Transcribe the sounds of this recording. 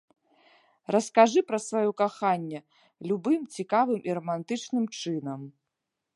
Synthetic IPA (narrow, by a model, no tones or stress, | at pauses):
rɐskaʐɨpɾɐsvajɔkaxanʲːɛ | lʲubɨmt͡sʲikavɨmʔirɐmant̪ɨt͡ʂnɨmt͡ʂɨnɐm